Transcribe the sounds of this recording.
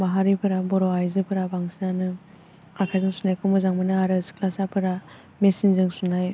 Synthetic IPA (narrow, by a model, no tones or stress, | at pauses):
maɦaɾipʰɯɾabɔɾɔajzɯpʰɯɾabaŋsinanɯ | akʰazɯŋsunajkʰumɯzaŋmɯnɯaɾɯsklasapʰɯɾa | mesinzɯŋsunaj